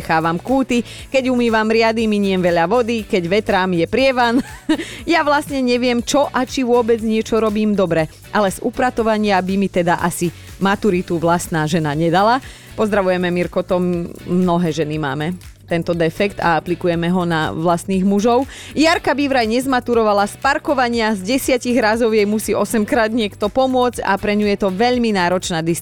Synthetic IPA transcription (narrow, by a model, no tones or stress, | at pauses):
xaːʋamkuːt̪ikɛɟumiːʋamɾɪad̪imiɲɪɛmʋɛʎaʋɔd̪ikɛɟʋɛt̪ɾaːmjɛpɾɪɛʋanjaʋlast̪ɲɛɲɛʋɪɛmt͡ʃɔʔat͡ʃiʋʊɔbɛd͡zɲɪɛt͡ʃɔɾɔbiːmd̪ɔbɾɛ | ʔalɛzupɾat̪ɔʋaɲɪabimit̪ɛd̪aʔasi | mat̪uɾit̪uʋlast̪naːʒɛnaɲɛd̪ala | pɔzd̪ɾaʋujɛmɛmiɾkɔt̪ɔmmnɔɦɛːʒɛnima̰ːmɛ | t̪ɛnt̪ɔd̪ɛfɛkt̪a̰aplikujɛmɛɦɔna̰ʋlast̪niːɣmuʒɔʊ | jaɾkabiʋɾajɲɛzmat̪uɾɔʋalaspaɾkɔʋaɲɪazɟɛsɪaciɣɾazɔʊjɛjmusiːʔɔsɛmkɾaːd̪ɲɪɛkt̪ɔpɔmʊɔd͡zca̰pɾɛɲujɛt̪ɔʋɛʎminaːɾɔt͡ʃnaːd̪is